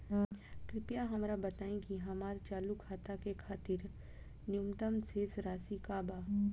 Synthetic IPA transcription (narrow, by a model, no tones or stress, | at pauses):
kɾɪpjaɦɐmɾabət̪aːẽkiɦɐmaːɾt͡ʃaːlukʰaːt̪akekʰaːt̪iɾ | njumt̪əmsʰeːsɾaːsikaːbaː